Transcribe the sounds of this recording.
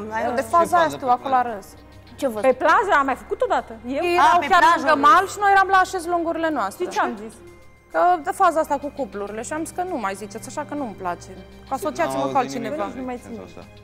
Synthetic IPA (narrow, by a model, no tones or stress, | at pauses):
dd̪efazajast̪uwakoloaɾəz | t͡ʃevpeplazəamːajfəkut̪od̪at̪əjejeɾawkʲjaɾuɡ̪əmalʃinojeɾamlaːʃe̞zloŋɡuɾile̞noast̪ɾet͡ʃeamzis | kəd̪efazaast̪akukopluɾile̞ʃiamskənumajzit͡ʃe̞t̪sʲaʃakənumplat͡ʃe̞ | kuaso̞t͡ʃiat̪siməkualt̪t͡ʃine̞vaumaj̪si